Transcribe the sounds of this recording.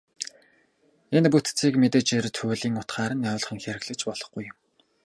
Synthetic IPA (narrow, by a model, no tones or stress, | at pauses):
enput̪t͡sʰiːkmet̪eːt͡ɕert̪ʰʊːɮiːŋʊt̪χaːɾə̆nɔːɮχĭŋxʲæɾɘ̆ɣɮɘ̆t͡ɕpɔɮ̥ɞ̆χɡujʊ̆m